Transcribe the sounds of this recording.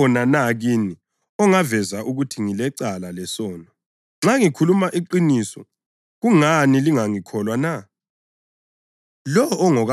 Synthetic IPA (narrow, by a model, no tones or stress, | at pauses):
ɔnanaɣini | ɔŋavɛzaʔuɣutʰiŋilɛǀalalɛsɔːnɔ | ŋ͡ǁaŋikʰulumaʔiǃinisɔ̰ | ɣuŋaniliŋaŋikʰɔlwana | lɔːŋɔɣ